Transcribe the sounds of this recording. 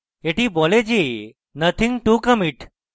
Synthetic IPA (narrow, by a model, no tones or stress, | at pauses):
eʈiːboled͡ʑi | nət̪ʰĩŋɡʈukəmiʈ